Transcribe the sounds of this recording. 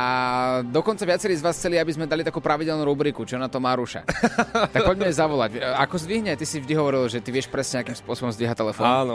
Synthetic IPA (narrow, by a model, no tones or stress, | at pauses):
ad̪ɔkɔnt͡saʋɪat͡sɛɾiːzʋaːsxt͡sɛliabizmɛd̪alit̪akuːpɾaʋiɟɛlnuːɾubɾikut͡ʃiɔnat̪ɔmaːɾuʃa̰t̪ak̚pɔɟmɛizaʋɔlacakɔzd̪ʋiɦɲɛt̪isivʒd̪iɦɔʋɔɾilʒɛt̪iʋɪɛʃpɾɛsɲɛɲɛakimspʊɔsɔbɔmzd̪ʋiɦact̪ɛlɛfɔnanɔ